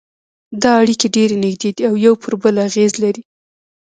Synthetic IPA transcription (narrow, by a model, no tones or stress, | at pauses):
d̪ɑaɽikeɖeɾenɪɡd̪ed̪iawjawpʰəɾbəlaɣezlaɾi